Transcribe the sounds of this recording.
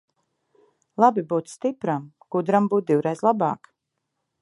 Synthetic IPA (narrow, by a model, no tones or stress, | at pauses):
lˠabibuːt̪st̪ipɾam | ɡ̥ud̪ɾambuːt̪̚d̪iwɾejzlˠabɑ̰ːk